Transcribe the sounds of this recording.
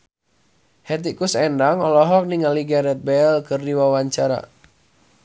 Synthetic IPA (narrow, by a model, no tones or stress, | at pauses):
hɛt̪̬ikusɛndaŋɔlɔɦɔk̚niŋaliɡaɾɛt̪̚bɛlkɨrdiwawaɲt͡ʃaɾa̰